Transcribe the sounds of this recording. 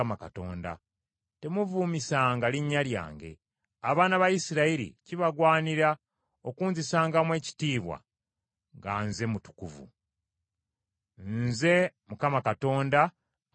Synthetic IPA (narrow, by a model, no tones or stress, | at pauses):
makato̞ːnda̰ | te̞muvuːmisaːŋɡaliɲːalja̰ːŋɡe̞̰ | aβaːnaβajisiɾaiɾḭciβaɡwaːniɾa | okuːnzisaːŋɡamwe̞ːci̥tiːβwa̰ | ŋɡa̰nze̞mutu̥kuvṵ | nze̞mukamakato̞ːnda